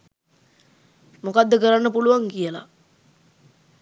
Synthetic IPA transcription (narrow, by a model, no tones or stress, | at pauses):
mokad̪ːəkəɾanːəpuluʋaŋkijəla̰